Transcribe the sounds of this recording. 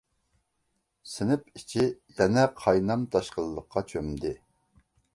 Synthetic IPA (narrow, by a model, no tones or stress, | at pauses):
sɪnɪpit͡ʃʰijɛnɛqʰɑjnɑmt̪ʰɑʃqəlˠːəqːɑt͡ʃʰømd̪ɪ